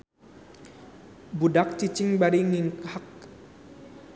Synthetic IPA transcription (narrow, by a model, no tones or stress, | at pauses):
budak̚t͡ʃit͡ʃɪŋbaɾiŋiŋkak̚